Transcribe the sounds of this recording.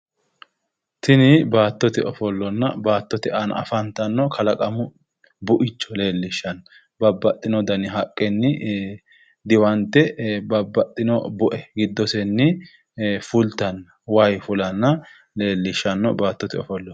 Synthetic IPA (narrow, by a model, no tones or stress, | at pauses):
t̪ɪnɪbaːt̪ːɔt̪ɛɔfɔlːɔnːɐbaːt̪ːɔt̪ɛɐnɐ̰fɐnt̪ɐnːɔkʰɐlɐkʼɐmʊ | bʊʔɪt͡ʃːɔ̥le̞ːlːɪʃːɐn | bɐbːɐt̪ʼːɪnɔd̪ɐnɪɦɐkʼːɛnːɪ | d̪ɪwɐnt̪ːɛbɐbːɐt̪ʼːɪnɔbʊʔɛɡɪd̪ːɔsɛnːɪ | fʊlt̪ːɐn | wɐjfʊlɐnːɐ | le̞ːlːɪʃːɐnːɔ̰baːt̪ːɔt̪ɛɔ̰fɔlːɔ